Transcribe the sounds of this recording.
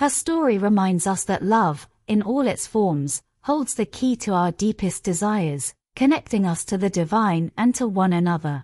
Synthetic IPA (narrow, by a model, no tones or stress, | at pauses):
hə˞stɔɹiɹɪmãɪ̃ndzʌsðɨʔlʌv | ɪ̃nɔlˠɪtsfɔɹmz̥ | hoʊlˠdz̥ðɨkʰitʰəaʊə˞dipɨsd̥ɨzaɪə˞z̥ | kʰɨnɛk̚tɪ̃ŋʌstʰɨðɨdɨvãɪ̃nʔɨ̃ntʰəwʌ̃nɨnʌðə